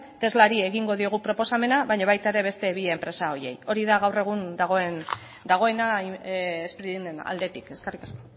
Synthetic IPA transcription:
t̪e̞zlaɾie̞ɣiŋɡo̞ðio̞ɣ̞upɾo̞po̞same̞naβajɲaβ̞ajt̪aeɾe̞βe̞st̪e̞βieempɾe̞sao̞je̞̰jo̞ɾiðaɣawre̞ɣ̞und̪aɣ̞o̞e̞n | d̪aɣ̞o̞e̞na | espɾiðinena̰ld̪e̞t̪ike̞skerikasko

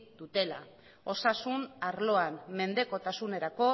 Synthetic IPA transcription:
d̪ut̪e̞la | o̞sasunaɾlo̞anme̞nd̪e̞ko̞t̪asune̞ɾako̞

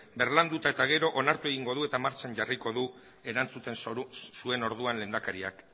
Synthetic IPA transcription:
be̞ɾland̪ut̪ae̞t̪aɣ̞e̞ɾo̞ʔonaɾt̪ue̞ɣ̞iŋɡo̞ðue̞t̪amaɾt͡ʃaɲɟariko̞ðu | e̞ɾant͡sut̪e̞nsue̞no̞ɾðuanle̞nd̪akaɾia̰k

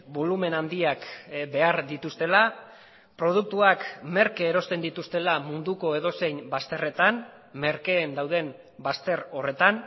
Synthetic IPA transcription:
bo̞lume̞nand̪iakbe̞aɾd̪it̪ust̪e̞la | pɾo̞ð̞uk̚t̪uakme̞ɾkeːɾo̞st̪e̞nd̪it̪ust̪e̞lamund̪uko̞e̞ðo̞se̞jnbast̪e̞re̞t̪an | me̞ɾke̞ːnd̪awðe̞m | bast̪e̞ɾo̞re̞t̪an

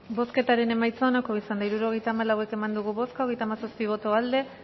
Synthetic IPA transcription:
bo̞ske̞t̪aɾe̞ne̞majt͡saonakoisand̪aiɾuɾo̞ɣ̞e̞jt̪aːmalawe̞ke̞mand̪uɣ̞uβo̞skao̞ɣejt̪amasaspiβ̞o̞t̪oald̪e̞

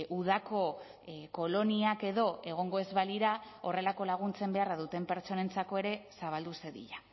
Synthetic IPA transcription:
ʔuð̞ako̞ | ko̞lo̞niake̞ðo̞e̞ɣ̞o̞ŋɡo̞e̞zβaliɾao̞re̞lako̞laɣ̞unt͡se̞mbe̞araðut̪e̞mpe̞ɾt͡so̞ne̞nt͡sako̞e̞ɾe̞saβ̞ald̪use̞ðḭʎa

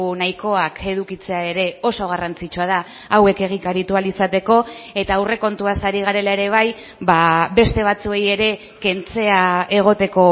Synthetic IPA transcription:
najko̞akʰe̞ð̞ukit͡se̞ae̞ɾe̞o̞so̞ɣ̞arant͡sit͡ʃuað̞a | awe̞ke̞ɣ̞ikaɾit̪ualisat̪e̞ko̞e̞t̪aːwre̞ko̞nt̪uasaɾiɣ̞aɾe̞lae̞ɾe̞β̞aj | babe̞st̪e̞β̞at͡sue̞je̞ɾe̞ | ke̞nt͡se̞ae̞ɣ̞o̞t̪e̞ko̞

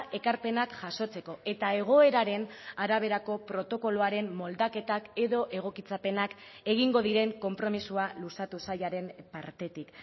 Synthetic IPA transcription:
ʔe̞kaɾpe̞nakʝaso̞t͡se̞ko̞ʔe̞t̪ae̞ɣ̞o̞e̞ɾaɾe̞naɾaβ̞e̞ɾako̞pɾo̞t̪o̞ko̞loaɾe̞mːo̞ld̪ake̞t̪ake̞ðo̞ʔe̞ɣ̞o̞kit͡sape̞nak | e̞ɣiŋɡo̞ðiɾe̞ŋko̞mpɾo̞misualusat̪usajaɾe̞mpaɾt̪e̞t̪ik

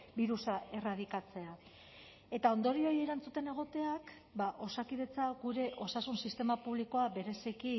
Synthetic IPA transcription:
biɾusaʔe̞rað̞ikat͡se̞a | e̞t̪ao̞nd̪o̞ɾio̞je̞ɾant͡sut̪e̞ne̞ɣ̞o̞t̪e̞ak | baʔo̞sakiðe̞t͡saɣuɾe̞ʔo̞sasunsist̪e̞mapuβliko̞abe̞ɾe̞siki

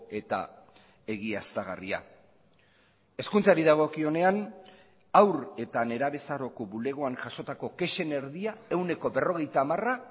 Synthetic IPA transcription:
e̞t̪a̰ | e̞ɣiast̪aɣa̰ria̰ | e̞skunt͡saɾiðaɣ̞o̞kio̞ne̞an | awɾe̞t̪ane̞ɾaβe̞saɾo̞koβule̞ɣ̞o̞aŋʝaʃo̞t̪ako̞ke̞ʃe̞ne̞ɾðiae̞wne̞ko̞be̞ro̞ɣ̞e̞jt̪aːmara

